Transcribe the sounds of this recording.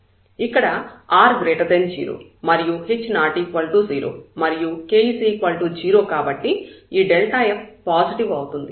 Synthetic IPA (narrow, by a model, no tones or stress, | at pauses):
ikːɐɽɐaːɾɡɾeːʈɐd̪end͡ʒḭːɾo̰ːmɐɾijuɦet͡ʃːnaːʈikʋɐlʈuːziːɾo̰ːmɐɾijukeːiːsiːkʋɐlʈuːd͡ʒiːɾo̞ːkaːbɐʈːiiːɖelʈaːjeppaːsiʈiʋɐwut̪und̪i